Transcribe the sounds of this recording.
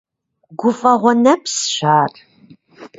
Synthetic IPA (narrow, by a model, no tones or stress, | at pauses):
ɡʷʊfɐʁʷɔnɐpsɕaːr